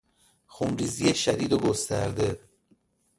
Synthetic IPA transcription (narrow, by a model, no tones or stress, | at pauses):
xumɾiːzijeʃæd̪iːd̪oɡost̪æ̰ɾd̪e